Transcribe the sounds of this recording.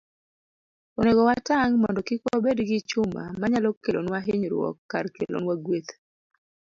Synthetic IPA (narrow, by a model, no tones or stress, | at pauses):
oneɡɔwataŋmɔndɔkikwobedɡɪt͡ʃʊma̰maɲalɔkːelo̰nwaɦeɲɾwɔ̰kːarkḛlo̰nwaɡwet̪